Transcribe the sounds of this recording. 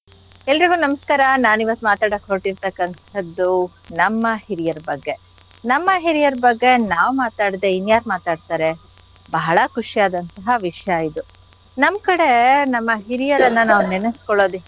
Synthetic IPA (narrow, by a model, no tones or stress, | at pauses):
ɛlɾiɡuːnɐmɐskaːɾɐnaːniʋɐt̪ːumaːt̪aːɽɐkːɦoːʈiɾt̪ɐkːɐnt̪ʰɐd̪ːu | nɐmːɐhiɾijɐɾbɐɡːe̞ | nɐmːɐɦiɾijɐɾbɐɡːe̞naːʋmaːt̪aːɽd̪einjaːɾmaːt̪aːɖt̪aːɾe̞ | bɐɦɐɭɐkuʂijaːd̪ɐnt̪ɐɦɐʋiʂjaid̪u | nɐmkɐɽe̞nɐmːɐɦiɾijɐɾɐnːɐnaːʋunenɐskɔɭo̞ːd̪i